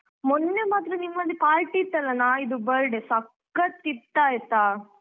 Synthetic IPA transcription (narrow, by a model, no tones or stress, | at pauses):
mɔnːemaːt̪ɾɐnimːɐlːipaːɾʈiːt̪ːɐlːɐnaːid̪ubɐɾɖesɐkː | ɐt̪ːit̪ːaːjt̪aː